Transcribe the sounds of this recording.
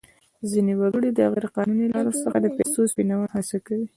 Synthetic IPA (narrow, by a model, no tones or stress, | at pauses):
zinewaɡuɽed̪əaɣiɾeqɑnunilɑɾasəxad̪əpest̪ospinawahasakawi